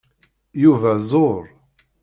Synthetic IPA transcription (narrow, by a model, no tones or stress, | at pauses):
juvæzˤoɾˤ